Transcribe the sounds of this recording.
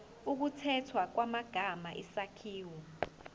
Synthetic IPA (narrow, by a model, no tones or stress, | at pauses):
uk̬utʰɛtʰwak̬wamaɡ̥ʱamaʔisakʰiːwɔ